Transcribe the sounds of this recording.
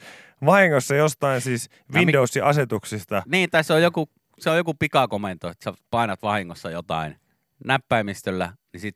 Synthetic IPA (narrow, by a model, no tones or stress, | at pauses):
ʋɑhiŋːosːɑjost̪ɑinsiːs | ʋindousːiʔɑset̪uksist̪ɑniːt̪ɑsːojjoku | seojjokupikɑkoment̪oet̪sæpɑˑinɑt̪ʋɑhiŋːosːɑjot̪ɑ̰in | næpːæimist̪ølːæ̰nisit̪